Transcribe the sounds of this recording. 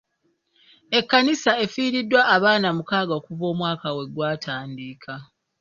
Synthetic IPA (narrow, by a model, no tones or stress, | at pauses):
e̞kːanisae̞fiːɾidːwaʔːβaːnamukaːɡaokuvo̞ːmwaːkawe̞ɡwaːtʰaːndiːkʰa